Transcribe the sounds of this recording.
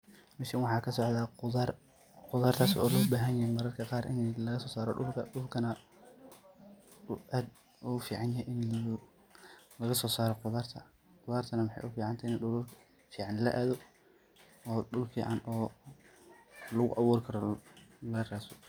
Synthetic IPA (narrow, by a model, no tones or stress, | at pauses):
mɛsɪnwɑħɑːkʰɐsɔʕd̪aːar | qʊðaːrt̪ʰaːsɔ̰ːlɔːbaːɦɐnjɐhɛjmɑɾɐrkʰɐqɑːɾʔɪ̰nlɐɣɐsɔːsaːɾɔɖʊlkʰɐ̰ɖʊlkʰɐnɐ | ʊʔaːd̪ | ʊfiːʕɑnjɐhɛjʔɪn | lɐɣɐsɔːsaːɾɔqʊðaːrt̪ʰɐ̰ | qʊðaːrt̪ʰɐnɐmɪħɑ̰jʔʊfiːʕɑnt̪ʰaɪnɐɗʊlʊ | fiːʕɑnlɐʔaːðɔ | ɔːɗʊlfḭːʕɑ̰nɔː | lɐɣʊ̰ʔɑβuːrkʰɐɾɔlɐraːsɔ̥